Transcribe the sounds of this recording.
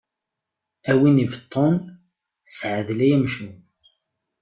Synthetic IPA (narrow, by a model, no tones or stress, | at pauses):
æwinivt̪ˤʰːon | sʕəðlæjæmʃun